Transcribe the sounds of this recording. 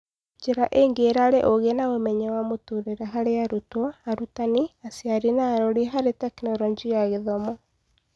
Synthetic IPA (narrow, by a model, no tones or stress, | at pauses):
d͡ʒeɾaʔeŋɡeːɾaɾeʔoɣenaomɛɲɛwamotuɾeɾɛɦaɾeaɾutwɔaɾutaniasjaɾinaːɾɔɾiɦaɾetɛknɔɾɔd͡ʒiaɣeðɔmɔ